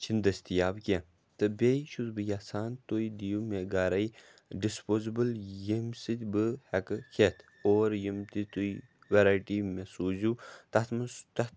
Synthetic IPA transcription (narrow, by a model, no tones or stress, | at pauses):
t͡ʃʰind̪ɐst̪ijaːbkʲe | t̪ɨbʲejʃuzbɨjaːsaːnt̪ojd̪ijumeɡaːɾɐj | ɖispoːzibɨljimsɨt̪ʲbɨhɛkɨkʰet̪ʰ | oːɾjimt̪it̪ui | ʋeɾaːjʈimesuːzut̪ɐt̪mt̪ɐ